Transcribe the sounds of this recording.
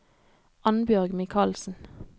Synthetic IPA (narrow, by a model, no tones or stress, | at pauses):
ɑnbjœʁɡmɪkʰɑːlsn̩